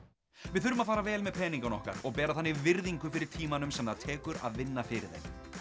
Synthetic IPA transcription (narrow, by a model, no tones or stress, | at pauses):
vɪðθʏɾvʏmaðfaːɾavɛːlmɛðpʰɛːniŋkanɔ̰hka̰ɾɔɣpɛːɾaθanːɪvɪɾðiŋkʏfɪɾɪɾ̥t̪ʰiːmanʏmsɛmnðaðt̪ʰɛːkʏɾa̰ðvɪnːafɪɾɪ̰ɾðḛj